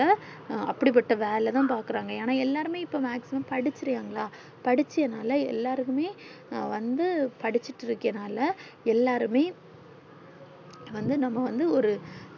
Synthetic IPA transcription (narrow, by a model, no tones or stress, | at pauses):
ɐɐpːɐɽɪp̬ːɐʈːɐʋeːlɐt̪ãːpaːɾkɯɾaːŋɡɐaːnaːɛlːaːɾɯmeːɪpːoːmaːksɪmɐmpɐɽɪt͡ʃːɪɾɯjaːŋɡɐɭaː | pɐɽɪt͡ʃːɪjɐnaːlɐɛ̰lːaːɾɯkːɯmeː | ʋɐnd̪ɯpɐɽɪt͡ʃːɪʈːɪɾɯkːɪjɐnaːlɐɛlːaːɾɯmeː | ʋɐnd̪ɯnɐmːɐʋɐnd̪ɯɔɾɯ